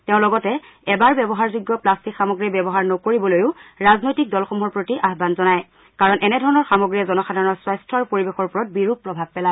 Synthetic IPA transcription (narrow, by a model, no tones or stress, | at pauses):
teʊ̃lɔɡɔtɛ | ɛbaɹbɛbɔɦaɹzuɡːɔplastikxamɔɡɹibɛbɔɦaɹnɔkoɹibɔlojʊɹaznojtik̚dɔlxɔmɦɔɹpɹotiʔaɦbanzɔnaj | kaɹɔnʔɛnɛdʱɔɹɔnɔɹxamɔɡɹiɛzɔnɔxadʱaɹɔnɔswajstʰɔɹpoɹibexɔɹpɔɹɔt̚biɹup̚pːɹɔbʱab̚pɛla